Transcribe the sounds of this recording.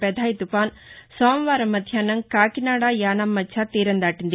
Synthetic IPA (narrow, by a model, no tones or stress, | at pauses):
pɛd̪ʱaːjit̪upaːn | soːmʋaːɾɐmːɐd̪ʱjaːnɐŋkaːkinaːɽaːjaːnamːɐt͡ʃʰat̪iːɾɐnd̪aːʈind̪i